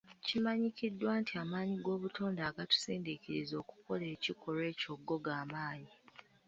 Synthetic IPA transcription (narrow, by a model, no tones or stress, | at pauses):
cimaɲicidːwaːntiamaːɲiɡo̞ːβutʰoːndaːɡatu̥siːndikiɾizo̞ːku̥ko̞le̞ːcikʰo̞ɾwe̞ːco̞ɡːo̞ɡaːmaːɲi